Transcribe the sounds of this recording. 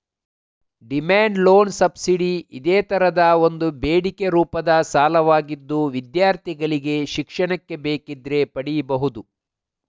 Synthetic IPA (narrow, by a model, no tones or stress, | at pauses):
ɖimaːɳɖlo̞ːnsɐbsiɖiid̪eːt̪ɐɾɐd̪ɐo̞nd̪ubeːɽikeɾuːpɐd̪ɐsaːlɐʋaːɡid̪ːuʋid̪jaːɾt̪ʰiɡɐɭiɡe̞ʃikʂɐɳɐkːe̞beːkid̪ɾe̞pɐɽibɐɦud̪u